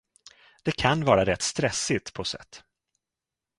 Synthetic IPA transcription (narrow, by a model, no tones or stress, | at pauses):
d̪̥ɛkʰanvɑːɾaɾɛt̪ːst̪ɾɛsɪt̪pʰɔsɛ̰t̪ː